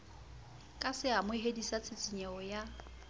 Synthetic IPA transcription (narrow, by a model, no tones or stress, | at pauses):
kʼasɪamʊiɦedisat͡sʰʼɪt͡sʼiɲɛɔja